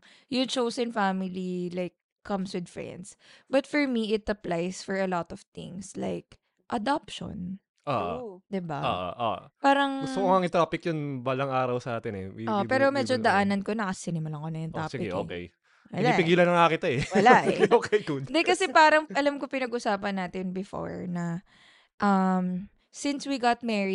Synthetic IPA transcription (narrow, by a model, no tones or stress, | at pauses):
jʊt͡ʃowsɛnfamɪlilajkʰːɐmswɪd̪fɹɛ̰nd̪sbɐt̪fɔɹmiʔɪt̪ɐplajsfɔɹɐlɔt̪ɔv̥t̪ɪ̰̃ŋsla̰jk̚ | ʔɐd̪ap̚ʃo̰n | ʔoːʔd̪ɪbao̰ʔo̰ʔo̰paːɾɐŋsoŋaŋɪt̪ɾaːpɪkjonbalɐŋaːɾɐwsɐʔaːt̪ɪnɛ̰wḭʔoːʔpɛːɾomɛːd͡ʒod̪ɐʔaːnɐnkonɐkɐsɪnɪmɐlɐŋkonɐjʊnt̪ɾaːsɡɪʔoːkɛ̰j | wɐlaipɪɡiːlɐnɐŋakɪt̪oɛwɐlaʔoːkʰɛjkud̪d̪ɛkɐsɛpaːɾɐŋʔɐlamkopɪnɐɡʔʊsaːpɐnːaːt̪ɪnbɪfo̰ɹnɐ | ʔɐm | sɪnswiɡat̪̚mɛɹi